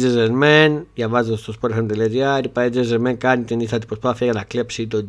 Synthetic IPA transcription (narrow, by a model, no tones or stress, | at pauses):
ezenmenʝɐvɐzet̪ost̪ospoɾeɐnt̪eliɐziɐɾipaed͡zezemeŋkɐnit̪inist̪ɐt̪i̥pɾospaθiɐjɐnɐklepsit̪o